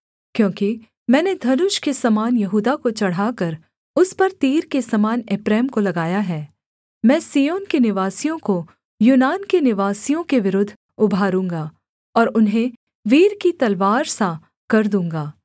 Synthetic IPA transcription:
kjõːki | mɛ̃ːned̪ʱɐnʊʃkesɐmaːnjɐɦuːd̪akot͡ʃɐɽ̤aːkɐɾ | ʊspɐɾt̪iːɾkesɐmaːneːpɾɛːmkolɐɡaːjaɦɛː | mɛ̃ːsiːjoːnkenɪʋaːsijõko | juːnaːnkenɪʋaːsijõkeʋɪɾʊd̪ʱː | ʊbʱaːɾũːŋɡaː | ɔːɾʊnɦẽ | ʋiːɾkit̪ɐlʋaːɾsã | kɐɾd̪ũːŋɡaː

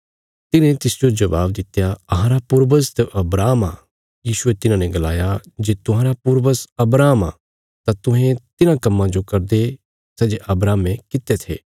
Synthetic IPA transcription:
t̪ɪnẽt̪ɪsd͡ʒod͡ʒɐʋaːb̚d̪ɪt̪jaɐɦãɾapʊɾbəzt̪ʔɐbɾaːma̰ | jiːʃʊet̪ɪnãnɛ̃ɡɐla̰ːjad͡ʒeːt̪ʊɦãːɾapʊɾʋəsɐbɾaːma̰ | t̪at̪ʊɦẽt̪ɪnãkɐmːãd͡ʒokɐɾd̪e | sɛːd͡ʒeʔɐbɾaːmẽkɪt̪et̪ʰḛː

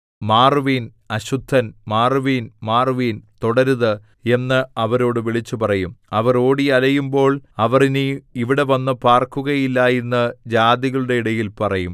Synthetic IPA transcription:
maːrʋiːn | ɐɕud̪ʱːɐnmaːrʋiːnmaːrʋiːnt̪oɽɐɾuðɨ | e̞nːɨɐʋɐɾo̞ːɽɨʋiɭit͡ɕːupɐrɐjumɐʋɐro̞ːɽiɐlɐjumbo̞ːɭɐʋɐrinɨjiʋiɽe̞ʋɐnːɨpaːrkuɣɐjilːajenːɨd͡ʑaːd̪iɣɐɭuɽe̞iɽɐjilpɐrɐjum

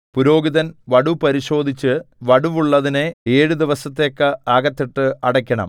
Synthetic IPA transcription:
puɾo̞ːɡiðɐnʋɐɽupɐɾiɕo̞ːd̪ʱit͡ɕːɨʋɐɽuʋuɭːɐðineeːɻud̪iʋɐsɐt̪ːekːɐaːɡɐt̪ːiʈːɨɐɽɐkʲːɐɳɐ̰m

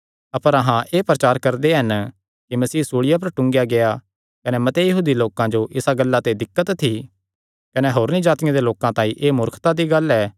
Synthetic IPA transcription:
ɐpəɾɐɦãʔeːpɾɐt͡ʃaːɾkɐɾd̪eɦɐn | kimɐsiːsuːɽɪjap̬ɐɾʈʊ̃ŋɡjaɡea | kɐnemɐt̪ejɐɦuːd̪iloːkãd͡ʒoʔɪsaɡəlːat̪ed̪ɪkːət̪ʰːi | kɐneɦoːɾnid͡ʒaːt̪ɪjãd̪eloːkãt̪ãːĩʔeːmʊɾkʰt̪ad̪iɡɐlɛː

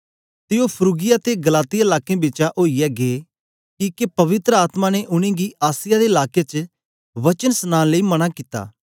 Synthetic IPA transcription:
t̪ɪopʰɾuːɡɪjat̪eɡɐlaːt̪ɪjaɪlaːkẽbɪt͡ʃaʔoːijɛɡee | kikepɐʋɪt̪ɾəaːt̪mãneʔʊɽ̃ẽɡiʔaːsɪjad̪eɪlaːket͡ʃə | ʋɐt͡ʃənsənaːnləimɐɽ̃akit̪a̰ː

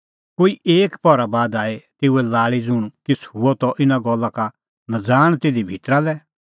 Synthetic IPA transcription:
koːiʔeːkpɔɾabaːd̪aːet̪eːuɛlaːɭid͡zʊɽ̃k̪ɪsʰhʊɔt̪ɔʔɪnaɡɔlːaka | nɐd͡zaːɽ̃t̪eːd̪ibʱit̪ɾalɛ

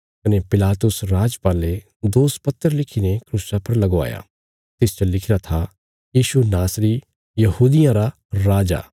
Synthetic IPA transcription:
kɐnepɪlaːt̪ʊsɾaːd͡ʒpaːle | d̪oːspɐt̪ːəɾlɪkʰinekʰɾusapɐɾlɐɡoa̰ːja̰ | t̪ɪst͡ʃɐlɪkʰɪɾat̪ʰa | jiːʃunaːsɾi | jɐhuːd̪ɪjãɾa | ɾaːd͡ʒa̰ː

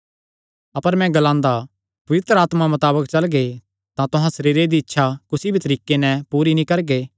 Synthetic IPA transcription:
ɐpəɾmɛ̃ɡɐlãːnd̪a | pɐʋɪt̪ɾəaːt̪mamɐt̪aːbəkt͡ʃɐlɡe | t̪ãt̪ʊɦãsɐɾiːɾed̪iɪtːʃʰakʊsibʱit̪ɐɾiːkenɛ̃puːɾinĩkɐɾɡeː

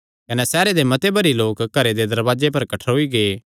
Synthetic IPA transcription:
kɐnɛsɛːɾed̪emɐt̪ebɐɾiloːkɡɐɾed̪ed̪ɐɾbaːd͡ʒepɐɾkɐʈʰɦoiɡeː

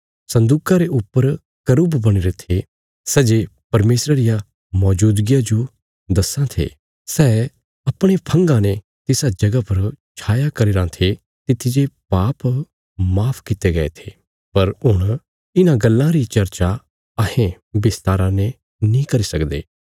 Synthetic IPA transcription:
sɐ̃nd̪uːkaɾeʔʊpːəɾ | kɐɾʊbbɐɽ̃iɾet̪ʰe | sɛːd͡ʒepɐɾmeːsɾaɾɪja | mɔːd͡ʒuːd̪ɡijad͡ʒo | d̪ɐsãt̪ʰḛː | sɛː | ɐpɽ̃epʰɐ̃ŋɡãnẽ | t̪ɪsad͡ʒɐɡapɐɾt͡ʃʰaːjakɐɾiɾãt̪ʰe | t̪ɪt̪ʰid͡ʒepaːp | maːpʰkɪt̪eɡɐḛt̪ʰe̥ː | pɐɾɦʊɽ̃ | ɪnãɡɐlːãɾit͡ʃɐɾt͡ʃa | ɐɦẽ | bɪst̪aːɾãnẽ | nĩkɐɾisɐkd̪ḛː

